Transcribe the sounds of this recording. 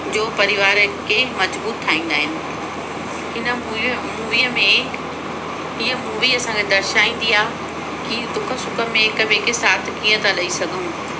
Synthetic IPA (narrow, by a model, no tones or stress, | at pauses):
d͡ʑoːpɐɾɪʋaːɾkemɐzbuːtt̪ʰːaːĩːnd̪aːɦɪnɪ̆ | ɪnə | muːʋijəmẽ | iːə̃muːʋiɐsãːŋɡed̪ɐɾʃaːĩːn̆d̪iaː | kid̪ʊkʰəsʊkəmẽkɐbʱekɪsaːt̪ʰkiːə̃t̪alɐisɐɡʱũ